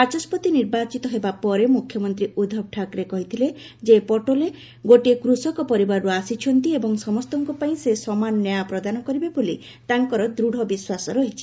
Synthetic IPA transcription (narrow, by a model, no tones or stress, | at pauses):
pat͡ʃɔspɔt̪iniɾbat͡ʃit̪ɔɦebapɔɾemukʰjɔmɔnt̪ɾiud̪ʱɔb̚ʈʰakɾekɔɦit̪ʰile | d͡ʒepɔʈole | ɡoʈekɾusɔkɔpɔɾibaɾɾuasit͡ʃʰɔnt̪iebɔŋsɔmɔst̪ɔŋkupaĩsesɔmanɔnjapɾɔd̪anɔkɔɾibeboli | t̪aŋkɔɾɔd̪ɾuɽ̤ʱɔbiswasɔɾɔɦit͡ʃʰi̥